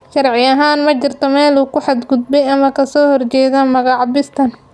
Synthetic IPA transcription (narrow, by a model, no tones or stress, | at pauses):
ʃɐrʕɪjɐɦaːnmɐt͡ʃɪrt̪ʰɔmɛːluːkʰʊħɑd̪ɡʊd̪bɛjɐmɐkʰɐsɔːhɔrt͡ʃɛːðɐmɐɣɑʕbɪst̪ʰɐn